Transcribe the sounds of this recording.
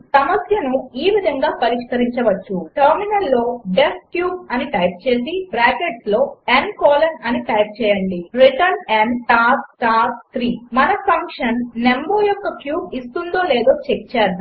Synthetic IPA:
sɐmɐsjɐnuiːʋid̪ʱɐŋɡaːpɐɾiʂkɐɾiɲt͡ʃɐʋɐt͡ʃːuʈɐɾminɐlːo̞ːɖeskjuːb̚ɐniʈɐjp̚t͡ʃeːsibɾaːkeʈlo̞ːenkoːlɐnɐniʈɐjp̚t͡ʃɛːjɐɳɖiɾiʈɐɾneɳɖʈaːɾsʈaːɾst̪ʰɾiːmɐnɐpʰɐŋkʂɐnːe̞mboːjɔkːɐkjuːbist̪und̪o̞ːleːd̪oːt͡ʃekt͡ʃaːɾu

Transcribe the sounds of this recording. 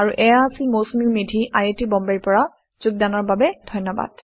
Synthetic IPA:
aɹuʔɛjasimosmimidʱiʔajetibɔmbeɹpɔɹa | z̥uɡ̚danɔɹbabɛd̥ʱɔjnːɔba̰d̥

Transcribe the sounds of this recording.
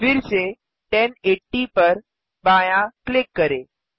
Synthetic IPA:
fɪɾse | ʈɛneʈːipəɾ | baːjãklɪkːəɾeː

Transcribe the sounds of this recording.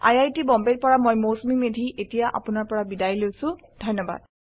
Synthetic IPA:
a̰jajtibɔmbet̚pɔɹamojmosmimedʱiʔetijaʔa̰pʊnaɹpɔɹabidajlojsʊ̃ | dʱɔjnɔba̰d̥̚

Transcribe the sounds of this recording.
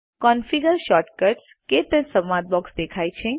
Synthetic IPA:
kɔnfiɡəɾʃɔʈkəɾʈs | ket̪ə̃səmãd̪̚bɔksd̪ekʰajt͡ʃʰẽ

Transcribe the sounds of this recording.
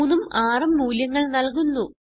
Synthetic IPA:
numaːrɐmːuːljɐŋːɐɭnɐlkunːu

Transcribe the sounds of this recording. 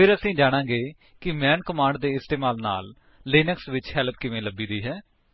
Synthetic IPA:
pɪɾəsĩːd͡ʒaːɽ̃ãːɡeː | kɪmɛːnkəmãːɳɖd̪eːɪst̪eːmaːlna̰ːlː | eːnəksʋɪt͡ʃhɛːlp̚kɪʋẽːləbiːd̪iːɦɛː

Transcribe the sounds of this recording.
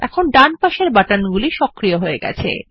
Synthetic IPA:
ɛ̰kʰonɖanpaʃeɾbaʈanɡuliʃɔkɾioɦoeɡɛ̰t͡ɕʰḛ

